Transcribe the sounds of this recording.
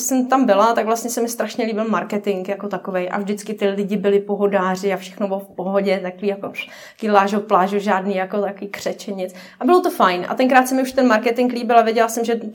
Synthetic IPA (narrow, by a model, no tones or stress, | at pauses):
sɛmt̪ambɪlat̪akvlast̪ɲɛsɛmɪst̪ɾaʃɲɛliːbɪlmaɾkɛt̪ɪŋkjako̞t̪akovejʔa̰vdɪt͡skɪt̪ɪlɪɟɪbɪlɪpoɦo̞daːr̝ɪafʃɛ̥xnobɪlofpoɦoɟɛt̪akoviːjako | ɡɪlaːʒoplaːʒuʒaːdniːjakot̪akoviːkr̝̥ɛt͡ʃɛɲɪt͡s | ʔabɪlot̪o̞fajnʔa̰t̪ɛnŋkɾaːt̪sɛmɪuʃt̪ɛnmaɾkɛt̪ɪŋkliːbɪlavjɛɟɛlasɛmʒɛ